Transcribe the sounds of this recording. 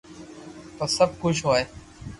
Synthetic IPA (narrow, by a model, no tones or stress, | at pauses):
t̪osəb̚kʊt͡ʃʰɦoːeː